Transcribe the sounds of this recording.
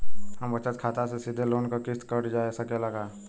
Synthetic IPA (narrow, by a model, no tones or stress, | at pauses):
hɐmbɐt͡ʃət̪kʰaːt̪asesid̪ʱeloːnkakɪst̪kəɽd͡ʒaːesakelɐɡaː